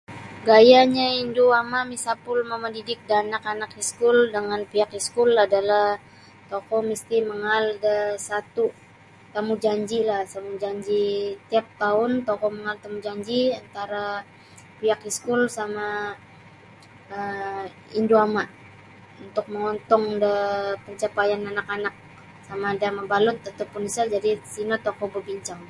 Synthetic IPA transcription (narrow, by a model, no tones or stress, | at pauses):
ɡajaɲainduamamisapʊlməmədidɪk̚danakanakiskʊldəŋanpiakiskʊladalah | t̪ɔkɔmist̪iməŋaldəsat̪u | t̪amud͡ʒaɲd͡ʒilahsamud͡ʒaɲd͡ʒit̪iap̚t̪aʊnt̪ɔkɔməŋalt̪amud͡ʒaɲd͡ʒiant̪aɾa | piakiskʊlsama | əm | indoamaʔ | unt̪ʊk̚məŋɔnt̪ɔŋdəpəɲt͡ʃapajananakanak̚ | samadamabalʊt̪̚at̪awpunisald͡ʒadisinot̪ɔkɔbəbiɲt͡ʃaŋ